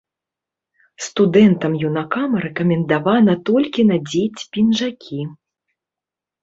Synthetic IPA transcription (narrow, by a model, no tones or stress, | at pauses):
st̪ud̪ɛnt̪ɐmjunakamɐɾɛkɐmʲɛnd̪avanɐt̪ɔlʲkʲinɐd͡zʲet͡sʲpʲinʐakʲʰi